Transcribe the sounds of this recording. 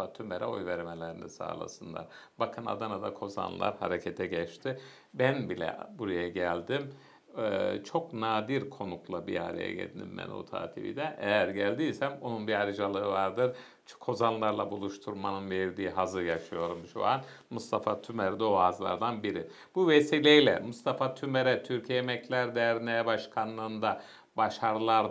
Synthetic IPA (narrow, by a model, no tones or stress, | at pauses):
at̪ʰymɛɾɛo̞̰jvɛɾmelʲɛɾinisa̰ːlˠa̰sɯnd̪ˠa̰ɾbakʰɯna̰d̪anad̪akʰo̞za̰nlˠa̰ɾha̰ɾecʰɛt̪ʰɛɟɛt͡ʃt̪ʰɪ | bænbilʲɛ̰buɾajaɟælʲd̪im | t͡ʃʰo̞knaːd̪iɾkʰo̞nuklˠabiaɾḛjɛ̰ɟḛd̪inḭmːɛ̰no̰t̪ʰa̰ːt̪ʰibḭd̪ɛʔɛjæɾɟælʲd̪ijsæmo̞nunbiaɾɯʒalˠɯɯvaɾd̪ɯɾ | kʰo̞zanlˠaɾlˠabulˠuʃt̪ʰuɾmanɯnveɾd̪iːɦazɯjaʃɯjo̞ɾumʃṵanmust̪ʰafat̪ʰymæɾd̪oazlˠa̰ɾd̪anbiɾi | buvesiːlʲejlʲɛ̰must̪ʰafat̪ʰymeɾɛt̪ʰyɾcʰiɛemɛclʲæɾd̪ɛɾnɛjɛbaʃkʰanːˠɯːnd̪a | baʃaɾɯlˠaɾ